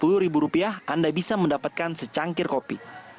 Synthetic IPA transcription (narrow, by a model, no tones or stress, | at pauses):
pulʊɾibuɾupiahʔandabisaməndapat̪̚kansət͡ʃaŋkɪrkopi